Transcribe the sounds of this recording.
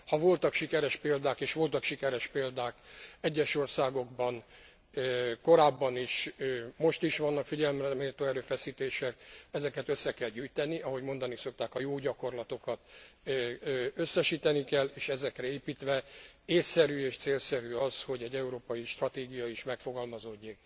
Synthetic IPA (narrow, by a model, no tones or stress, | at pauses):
hɒvo̞lt̪ɒkʃikɛɾɛʃpeːld̪aːkeːʃʋo̞lt̪ɒkʃikɛɾɛʃpeːld̪aːkɛɟːɛʃo̞rsaːɡo̞ɡbɒn | ko̞ɾaːbːɒniʃmo̞ʃt̪iʃʋɒnːɒkfiɟɛlmrɛmeːrt̪oːɛɾøːfɛsiːt̪eːʃɛkɛzɛkɛt̪øsːɛkɛlɟyjt̪ɛniʔɒɦo̞ɟmo̞nd̪ɒniso̞k̚t̪aːkɒjoːɟɒko̞rlɒt̪o̞kɒt̪ː | øsːɛʃiːt̪ɛnikɛlːeːʃɛzɛkrɛeːpiːt̪ʋɛeːsːɛɾyːeːʃt̪seːlsɛɾyːɒsho̞ɟɛɟːɛuɾoːpɒjiʃt̪rɒt̪eːɡijɒiʃmɛkfo̞ɡɒlmɒzo̞ɟːeːk